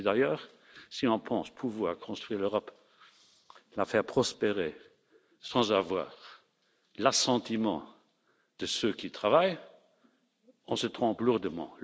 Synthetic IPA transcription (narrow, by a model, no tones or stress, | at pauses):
d̪ajœːʁ | siɔ̃pʰɑ̃spʰuvwaːʁkʰɔ̃st̪χɥiːʁløʁɔp | lafɛʁpχɔspeʁe | sɑ̃zavwa̰ːʁ | lasɑ̃t̪imɑ̰̃ | d̪̥əsøkʰit̪χavaj | ɔ̃sət̪χɔ̃pluʁd̪əmɑ̰̃